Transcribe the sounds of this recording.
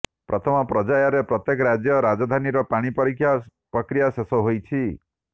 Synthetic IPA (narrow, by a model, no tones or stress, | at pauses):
pɾʔɔt̪ʰɔmɔpɾɔd͡ʒajɔɾepɾɔt̪jekɔɾad͡ʒjɔɾad͡ʒɔd̪ʱaniɾɔpaɽ̃ipɔɾikʰja | pɾɔkɾijasesɔɦojt͡ʃʰi